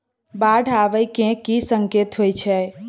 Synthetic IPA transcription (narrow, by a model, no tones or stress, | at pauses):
baɖʱaʋəjkẽkisəŋket̪ɦojt͡ʃʰɛ